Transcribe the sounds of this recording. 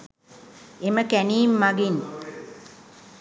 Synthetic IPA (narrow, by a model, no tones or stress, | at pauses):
eməkæniːmːaɡin